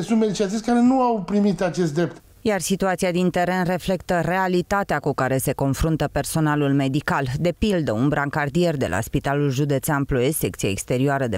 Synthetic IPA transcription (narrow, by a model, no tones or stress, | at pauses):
sunt̪med̪it͡ʃinat̪isʲkaɾe̞nuawpɾimit̪at͡ʃe̞s̬t̪d̪ɾep̚t̪ | jarsit̪uat̪siad̪int̪e̞ɾe̞nre̞fle̞kt̪əre̞alit̪at̪eakukaɾe̞se̞ko̞nfɾunt̪əpe̞rso̞nalulme̞d̪ikald̪e̞pild̪əunbɾaŋkard̪ie̞rd̪e̞̰lʔa̰spit̪alulʒud̪e̞t̪seamploese̞k̚t̪sia̰ekst̪e̞ɾioaɾəd̪e